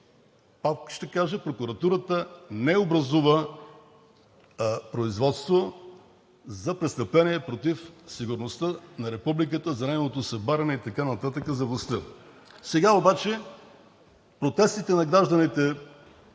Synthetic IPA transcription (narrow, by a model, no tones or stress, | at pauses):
pakʃt̪ɛkaʒəpɾokʊɾɐt̪uɾət̪ənɛobɾɐzuvə | pɾoizvɔt̪st̪vo | zɐpɾɛt̪st̪ɐplɛniɛpɾot̪ifsiɡʊɾnost̪ənɐɾɛpublik̬ət̪əzɐnɛɡovot̪osɛbaɾɐnɛit̪ɐkanɐt̪at̪əkəzɐvlˠɐst̪ə | sɛɡaobat͡ʃɛ | pɾot̪ɛst̪it̪ɛnɐɡɾaʒd̪ɐnit̪ɛ